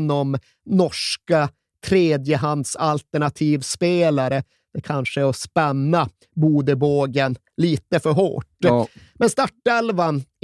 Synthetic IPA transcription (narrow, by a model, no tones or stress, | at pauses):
nːɔm | nɔʂka | t̪ʰɾeːd̪jəɦand̪salt̪æɳat̪ʰiːvspeːlaɾə | d̪̥ɛkʰanʂəæɔspɛnːa | buːd̪əboːɡən | liːt̪əfœɾɦo̰ːʈmɛnst̪aʈːɛlvan